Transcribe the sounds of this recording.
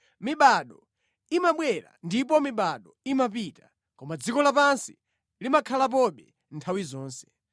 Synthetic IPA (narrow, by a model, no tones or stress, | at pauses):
miɓaɗɔ | imaɓwɛɾa̰ndip̬ɔmiɓaɗɔimapita | kɔmad͡zikɔlapansi̥ | limakʰalap̬ɔɓɛ | ntʰawizɔːnsɛ̥